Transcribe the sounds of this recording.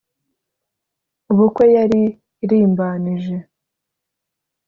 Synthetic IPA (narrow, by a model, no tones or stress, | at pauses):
uβukwe̞jaɾi | ɾiːmbaniʒe̞